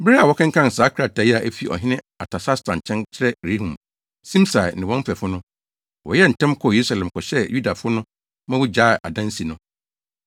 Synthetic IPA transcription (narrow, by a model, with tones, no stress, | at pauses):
bɾa˦a˨wɔ˦kʰã˦ŋ̩˦kʰã˦˨n̩˨saː˨˦kʰɾa˨tʰa˨ji˦a˨ʔæ˦fi˦ʔɔ̰˨ɦɪ̃˦nɪ̃˦ | a̰˨tʰa˨sa˦stʰã˨n˨t͡ɕʰɛ̃˦nt͡ɕʰɪ˦ɾɛ˦ɾe˦hũ˨m | sĩ˦msa˨nɪ̃˨wɔ̃˦m̩˦fɛ˨fʊ˦nʊ̃˦ | wɔ̰˨jɛ˦n̩˨tʰɛ̃˦mkʰɔ˦˨je˨ɾu˦sa˨lɛ̃˨m˨kʰɔ˨ɕɛ˦ju˦da˨fʊ˦nʊ̃˦ | mã˦wu˦d͡ʑaː˦˨ʔa̰˨dã˦n̩˦si˨nʊ̃˦